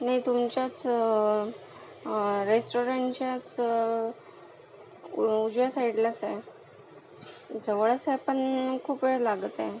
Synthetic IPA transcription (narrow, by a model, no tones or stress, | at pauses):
najt̪umt͡ɕjat͡s | ɾesʈoɾaɳt͡ɕjat͡s | ud͡ʑʋasaiɽlat͡saj | d͡zəʋɭət͡sajpəɳkʰuːpeɭlaɡət̪a̰j